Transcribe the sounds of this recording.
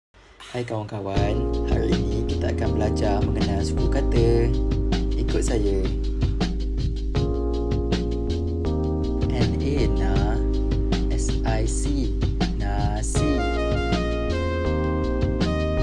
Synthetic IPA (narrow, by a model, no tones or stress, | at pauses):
hajkawaŋkawanha̰ɾiinĩkit̪aakanbəlad͡ʒamə̃ŋɡənalsu̥kukat̪ə | ikʊt̪̚sajə | ʔɛn | ena | ɛs | ajsi | na | si